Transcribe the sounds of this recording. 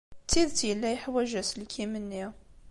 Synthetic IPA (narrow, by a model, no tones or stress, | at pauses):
t̪ːiðt̪jəlːæjəħwæʒæslkʰimənːi